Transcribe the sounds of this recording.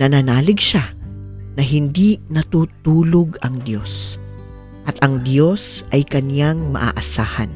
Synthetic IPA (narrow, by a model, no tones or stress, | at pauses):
nɐnɐnaːlɪɡʃanɐɦɪnd̪inɐt̪uːt̪uːloɡɐŋd̪jo̞s | ʔɐt̪ʔɐŋd̪jo̞sʔɐjkɐnjaŋmɐ̰ʔa̰ːʔɐsaːhɐ̰n